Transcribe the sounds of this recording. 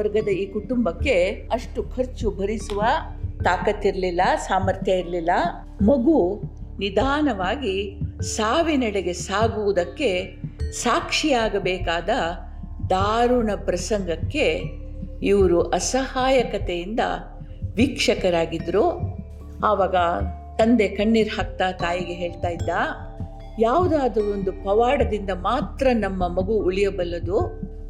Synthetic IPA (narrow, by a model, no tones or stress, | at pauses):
ɐɾɡɐd̪ɐiːkuʈumbɐkːe̞ɐʂʈukʰɐɾt͡ʃubʱɐɾisuʋɐ | t̪aːkɐt̪ːiɾɐlilːɐsaːmɐɾt̪ʰjɐiɾlilːɐ | mɐɡunid̪ʱaːnɐʋaːɡisaːʋinɐɭeɡe̞saːɡuʋud̪ɐkːe̞ | saːkʂijaːɡɐbɛːkaːd̪ɐ | d̪aːɾuɳɐpɾɐsɐŋɡɐkːe̞ | iʋɐɾuʔɐsɐhaːjɐkɐt̪ejind̪ɐ̰ | ʋikʂɐkɐɾaːɡid̪ɾu | aːʋaːɡɐ | t̪ɐnd̪e̞kɐɳːiɾhɐk̚t̪aːt̪aːjiɡeɦeːɭt̪aːjid̪ːaː | jaːʋud̪aːd̪ɐond̪upɐʋaːɽɐd̪ind̪ɐmaːt̪ɾɐnɐmːɐmɐɡuːɭijɐbɐlːɐd̪u